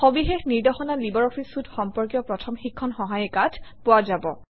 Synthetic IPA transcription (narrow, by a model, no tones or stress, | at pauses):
xɔbixexniɹdɔxɔnalibɔɹɔpʰisutxɔmpɔɹkjɔpɹɔtʰɔmxikʰːɔnxɔɦajɛkatʰpʊazabɔ